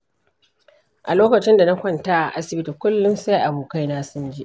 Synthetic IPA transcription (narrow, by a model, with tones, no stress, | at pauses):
ʔa̰˨loː˦kɐ˨t͡ʃɪ˦nda˨na˦kʷɐ˦ntaː˦ʔa˨ʔa˦sɪ˨bɪ˦ti˨kʷʊ˦lːʊ˦nsa˦ʔa˨boː˨ka˦jnaː˦sʊ˦nd͡ʒi˦ʔ